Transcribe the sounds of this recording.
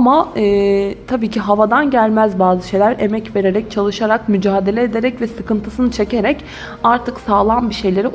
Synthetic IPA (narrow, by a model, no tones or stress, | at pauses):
amaɯːt̪ʰabiːcʰiɦavad̪anɟælʲmæzbaːzɯʃe̞jlʲæɾe̞mɛcve̞ɾe̞ɾɛc̚t͡ʃʰalˠɯʃaɾakmyd͡ʒaːd̪e̞lʲeed̪eɾɛcvɛsɯkɯnt̪ʰɯsɯnɯt͡ʃʰe̞ce̞ɾɛc | aɾt̪ʰɯksaːlˠanbiʃe̞jlʲe̞ɾi